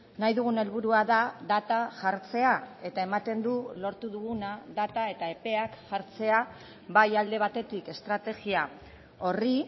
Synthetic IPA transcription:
najðuɣune̞lβuɾuaðaðat̪aʝaɾt͡se̞ae̞t̪ae̞mat̪e̞nd̪ulo̞ɾt̪uðuɣunaðat̪ae̞t̪ae̞pe̞akʝaɾt͡se̞a | βajald̪e̞β̞at̪e̞t̪ike̞st̪ɾat̪e̞ɣia | o̞ri

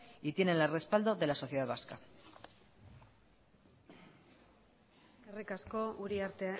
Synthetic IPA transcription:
it̪je̞ne̞nlare̞spald̪o̞ðe̞laso̞θjeð̞aðβaska | eskerikasko̞uɾiaɾt̪e

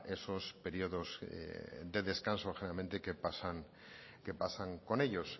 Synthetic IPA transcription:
esospe̞ɾioðo̞zḛd̪e̞ðe̞skanso̞xenealment̪ekepasaŋ | ke̞pasaŋko̞ne̞ʎo̞s

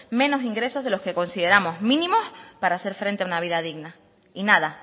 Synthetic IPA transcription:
mẽ̞no̞siŋɡɾe̞so̞ɦðe̞lo̞ske̞ko̞nsiðeɾamo̞zmĩnĩmo̞spaɾaːse̞ɾfɾe̞nt̪eaunaβ̞iðaðiɣna | inaða

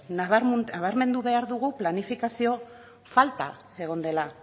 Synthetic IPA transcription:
naβaɾaβ̞aɾme̞nd̪uβe̞aɾðuɣuplanifikasio̞ | falt̪a̰ | e̞ɣ̞o̞nd̪e̞la

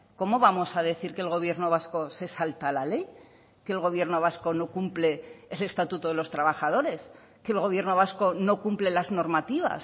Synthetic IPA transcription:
ko̞mo̞βamo̞sað̞e̞θiɾkelɣo̞βje̞ɾno̞β̞asko̞se̞salt̪alale̞j | keːlɣ̞o̞β̞je̞ɾno̞β̞asko̞no̞kumple̞ːle̞st̪at̪ut̪oðelo̞st̪ɾaβaxaðo̞ɾe̞s | ke̞ːlɣo̞β̞je̞ɾno̞β̞asko̞no̞kumple̞lazno̞ɾmat̪iβa̰s

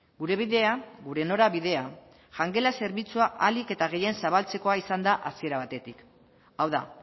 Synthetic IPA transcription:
ɡuɾe̞β̞iðe̞aɡuɾe̞no̞ɾaβiðe̞a | ʝaŋɡe̞lase̞ɾβit͡suaʔalike̞t̪aɣ̞e̞je̞nsaβalt͡se̞ko̞aisand̪aʔasie̞ɾaβ̞at̪e̞t̪ik | awða̰

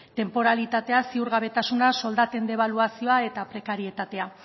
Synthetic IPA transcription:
t̪e̞mpo̞ɾalit̪at̪e̞asiuɾɣaβ̞e̞t̪asunaso̞ld̪at̪e̞nd̪e̞β̞aluasio̞ae̞t̪apɾe̞kaɾie̞t̪at̪e̞a

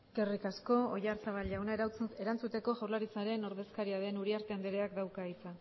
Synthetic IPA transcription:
kerikasko̞o̰ʝaɾsaβ̞alʎawnaeɾawt͡sue̞ɾant͡sut̪e̞ko̞ʝawɾlaɾit͡saɾe̞no̞ɾðe̞skaɾiaðe̞nuɾiaɾt̪e̞and̪eɾeakd̪awkait͡sa

